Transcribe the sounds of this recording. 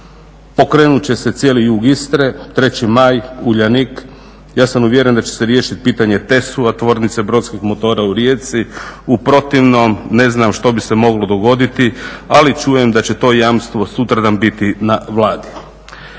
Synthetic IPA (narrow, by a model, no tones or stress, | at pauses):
po̞kɾe̞ːnut͡ɕe̞se̞t̪sje̞ːlijuːɡist̪ɾe̞t̪ɾe̞t͡ɕimajuʎanik | jaːsamuʋje̞ɾe̞nd̪at͡ɕe̥seɾje̞ːʃit̪i̥piːt̪aɲe̞t̪e̞suat̪ʋo̞ːɾnit̪sebɾo̞t̪skixmo̞t̪o̞ːɾauɾje̞t̪siupɾo̞t̪iʋno̞mne̞znamʃt̪o̞bisemo̞ɡlo̞d̪o̞ɡo̞d̪it̪ialit͡ʃuːje̞md̪at͡ɕe̞t̪o̞ːjamst̪ʋo̞sut̪ɾad̪ambit̪inaʋlˠaːd̪i